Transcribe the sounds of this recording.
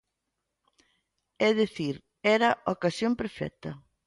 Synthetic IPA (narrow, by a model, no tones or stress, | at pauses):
ɛðeθiɾ | ɛɾɐʔokasjõmpeɾfɛ̰t̪ɐ